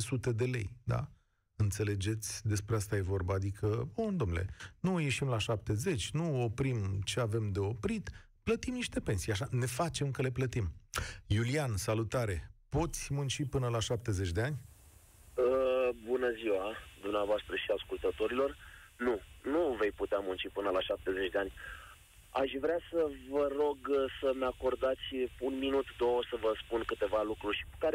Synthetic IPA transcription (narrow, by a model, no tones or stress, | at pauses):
sut̪e̞d̪e̞le̞̰jd̪a̰ | ɨnt̪se̞le̞d͡ʒe̞t̪sʲd̪e̞spɾe̞ast̪aje̞vo̞rbaːd̪ikʰəond̪omnule̞̰nuje̞ʃimlaʃap̚t̪e̞ze̞t͡ʃʲnuo̞pɾimt͡ʃe̞ave̞md̪e̞o̞pɾit̪ | plət̪imniʃt̪e̞pe̞nsijaʃane̞fat͡ʃe̞mkəle̞plət̪imjuliansalut̪aɾe̞po̞t̪sʲmunt͡ʃipɨnəlaʃap̚t̪e̞ze̞t͡ʃʲd̪e̞anʲ | əbunəziwad̪umneavoast̪ɾəʃiaskult̪ət̪o̞ɾilo̞r | nunuve̞jput̪eamunt͡ʃipɨnəlaʃap̚t̪e̞zet͡ʃʲd̪e̞anʲ | aʃvɾeasəvəɾo̞ɡsəmeako̞rd̪at̪sʲunminut̪d̪owəsəvəspunkɨt̪e̞valukɾuʃi̥kukaɾe